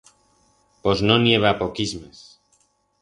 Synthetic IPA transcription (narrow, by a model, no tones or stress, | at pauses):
poznonjeβ̞apokizmes